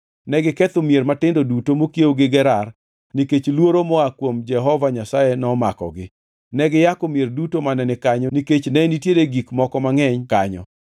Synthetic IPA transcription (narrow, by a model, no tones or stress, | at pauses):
nɛɡɪkɛt̪omjermatɪndodutomokjewɡɪɡɛɾar | niket͡ʃlwoɾomɔakwomd͡ʒɛɦɔvaɲasajenɔmakɔ̰ɡɪ | nɛɡɪjakomjerdutomanɛnɪkaɲɔniket͡ʃnɛnitjedeɡikmɔkɔmaŋɛɲkaɲɔ̰